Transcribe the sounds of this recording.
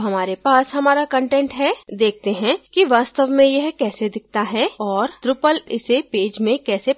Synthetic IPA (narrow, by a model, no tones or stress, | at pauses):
ɦɐmaːɾepaːsɦɐmaːɾakə̃ɳʈɛ̃ɳʈɦɛːd̪eːk̚ʰt̪eɦɛ̃kiʋaːst̪əʋmẽjɐɦkɛːsed̪ɪk̚ʰt̪aɦɛɔːɾt̪ɾʊpəlɪsepeːd͡ʒmẽkɛːse